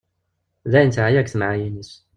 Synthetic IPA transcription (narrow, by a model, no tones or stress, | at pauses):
ðæjnt̪ʕajækθmaʕajinis